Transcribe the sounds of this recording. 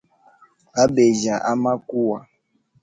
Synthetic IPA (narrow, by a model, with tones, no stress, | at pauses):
a˦be˨ʒa˨ʔa˦ma˦ku˦wa˨